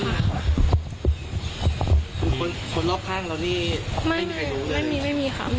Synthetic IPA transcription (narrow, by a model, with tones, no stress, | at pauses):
ku˧nkʰo˧nkʰo˧nloː˥˩kʰaː˥˩ŋla˧wniː˥˩ma˥˩a˧˩˦ma˥˩miː˧ma˥˩jmiː˧xʰa̰˦˩